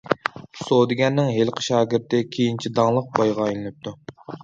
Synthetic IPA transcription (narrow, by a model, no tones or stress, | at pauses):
sod̪ɪɡʲɛnːɪŋɦelˠqʰə̥ʃɑːɡʲɪɾt̪ɪkʲʰejint͡ʃʰid̪ɑŋlˠəq̚bɑjʁɑjlˠɨnɨp̚t̪ʰu